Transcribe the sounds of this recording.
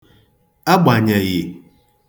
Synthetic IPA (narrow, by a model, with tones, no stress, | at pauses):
a˦ɡ͡ba˨ɲe˨jɪ˨